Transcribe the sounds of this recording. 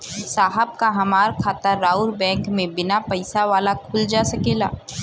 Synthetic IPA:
saːɦəb̚kaɦɐmaːɾkʰaːt̪aɾaːʊɾbɛ̃ːŋkmẽbɪnapɐɪsaʋaːlakʰʊld͡ʒaːsɐkeːla̰ː

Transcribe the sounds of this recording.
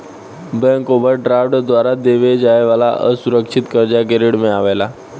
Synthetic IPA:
bɛ̃ŋkobəɾɖɾaʋɖd̪ʋaɾad̪eʋed͡ʑajʋala̰ʔə̰suɾəkʂit̪kəɾd͡ʑakeɾiɽmeaʋala

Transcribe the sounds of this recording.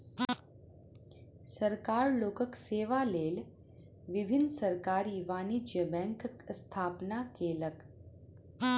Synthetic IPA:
səɾkaːɾloːkəkseːʋaleːl | ʋibʱinːəsəɾkaːɾiʋaːnid͡ʒjəbɛ̃ŋkkst̪ʰaːpnakeːlək

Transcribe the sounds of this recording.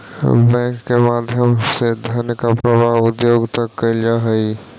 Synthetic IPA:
bɛ̃kːemad̪ʱjəmsed̪ʱənkapɾəbaɦʊd̪joɡt̪əkːəɪld͡ʒaɦəj

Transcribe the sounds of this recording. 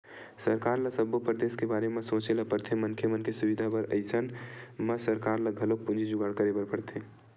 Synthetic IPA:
səɾkaːɾlasəbopɾd̪eːskebaːɾemẽsõːt͡ʃelapəɾt̪ʰemənkʰjeməkesuʋid̪ʱabəɾə̰ɪsʰənməsəɾkaːɾlaɡʱɐlok̚pũnd͡ʒʱid͡ʒʊɡaːɽkəɾebəɾpəɽt̪ʰe

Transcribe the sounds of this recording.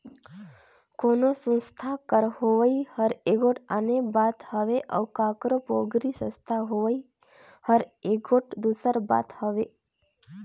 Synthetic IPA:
konosə̃nst̪ʰakəɾhoʋəihəɾeɡoʈanebat̪həʋeʔə̰ʋkãkɾopoɡɾisə̰̃st̪ʰaɦoʋəi | həɾeɡoʈd̪usəɾba̰t̪həʋe

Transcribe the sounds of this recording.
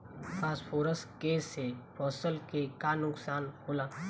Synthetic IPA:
paːspʰoːɾəskeːsːepʰɔːsəlkekanʊksaːnhoːlaː

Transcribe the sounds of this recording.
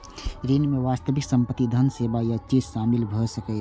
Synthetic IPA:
ɾinmeʋaːst̪əʋɪksəmpət̪ːid̪ʱənsebajat͡ʃizʃaːmɪlbʱəsəkə

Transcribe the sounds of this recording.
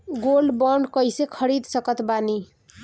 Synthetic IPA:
ɡolɖbʌɳɖkʌjsekʰʌɾid̪sʌkʌt̪bani

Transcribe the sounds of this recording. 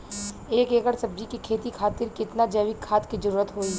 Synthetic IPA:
eːkeːkəɾsɐb̚d͡ʒikikʰeːt̪ikʰaːt̪ɪɾkɪt̪nad͡ʒɐːʋɪkʰːaːt̪kid͡ʒɐɾuːɾət̪ɦoːi

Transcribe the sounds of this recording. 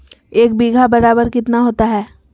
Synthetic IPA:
eːk̚biːɡʱabɐɾaːbəɾkɪt̪naɦoːt̪aɦɛː

